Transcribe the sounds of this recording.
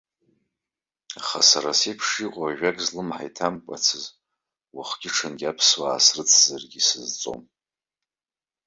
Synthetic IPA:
aχa̰saɾasepʰʂiqʼaaʒᶣakʼzlɨmħa̰jtʰamkʷʼa̰t͡sʰɨz | waχʷɡʲɪʈ͡ʂʰanɡʲapʰswaːsrɨt͡sʰʼz̥arɡʲisɨzt͡sʼo̞̰m

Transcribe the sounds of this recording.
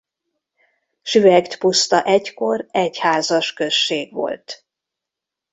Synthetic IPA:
ʃyvɛɡt̪pust̪ɒʔɛɟko̞rɛchaːzɒʃkø̞ʃːeːɡʋo̞̰lt̪

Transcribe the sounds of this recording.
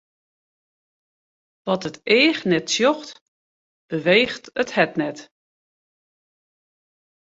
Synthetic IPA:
ʋɔtəteːxnɛtsjɔxt | b̥əʋeːxtəthɛtnɛt

